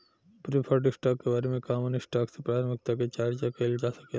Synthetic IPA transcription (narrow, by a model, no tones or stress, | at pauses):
pɾipʰaɾʈisʈaːkːebaːɾemẽkaːmənisʈaːksepɾaːɾəmɪk̚t̪aket͡ʃaːɾt͡ʃakɐld͡ʒaːsɐke